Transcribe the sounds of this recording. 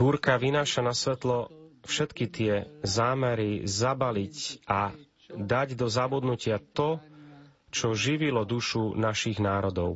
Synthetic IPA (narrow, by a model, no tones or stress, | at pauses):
buɾkaʋinaːʃanasʋɛt̪lɔfʃɛt̪kit̪ɪɛzaːmɛɾizabalica | d̪aɟd̪ɔzabud̪nucɪat̪ɔ | t͡ʃɔʒiʋilɔd̪uʃunaʃiɣnaːɾɔd̪ɔʊ